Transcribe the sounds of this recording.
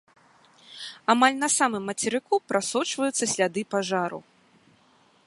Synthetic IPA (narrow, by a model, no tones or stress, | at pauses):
amalʲnɐsamɨmːɐt͡sʲɛɾɨkupɾʔasɔt͡ʂvɐjut̪sːɐsʲlʲad̪ɨpaʐaɾṵ